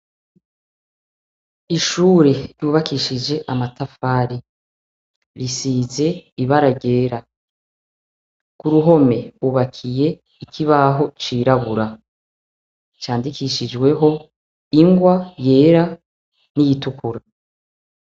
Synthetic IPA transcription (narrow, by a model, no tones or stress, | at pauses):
iʃuːɾe̞ɾjuːβakiʃid͡ʒe̞ʔamatafaːɾi | ɾisize̞iβaɾaɟe̞ːɾa | kuɾuɦo̞me̞uβakʰije̞ | ikʰiβaɦo̞t͡ʃiːɾaβuɾa | t͡ʃaːndikiʃid͡ʒɡwe̞ɦo̞ | iŋɡwaje̞ːɾa | nijitukuɾa